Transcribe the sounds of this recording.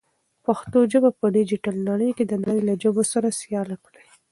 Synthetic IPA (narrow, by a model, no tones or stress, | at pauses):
paxt̪od͡ʒəbapəɖed͡ʒiʈalnaɽəjked̪ənaɽəjlad͡ʒəbosaɾasjɑlakɽa